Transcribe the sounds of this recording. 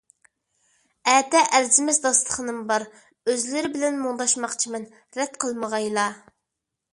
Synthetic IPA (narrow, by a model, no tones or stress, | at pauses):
æːt̪ɛʔæɾzɪmɪzd̪ɑslˠə̥χənɨmbɑɾ | øzlɪɾɪbɪlɛnmuŋd̪ɑʃmɑqt͡ʃʰimɛn | ɾɛt̪qʰəlˠməʁɑjlˠɑ